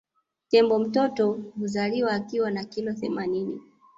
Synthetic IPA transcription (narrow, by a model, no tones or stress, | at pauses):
tɛmbɔm̩tɔtɔhuzaliwaːkiwanakilɔθɛmaninḭ